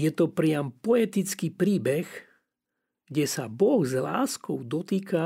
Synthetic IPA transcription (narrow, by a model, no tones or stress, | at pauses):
jɛt̪ɔpɾɪampɔɛt̪it͡skiːpɾiːbɛx | ɡ̥ɟɛsabɔɣzla̰ːskɔʊd̪ɔt̪iːka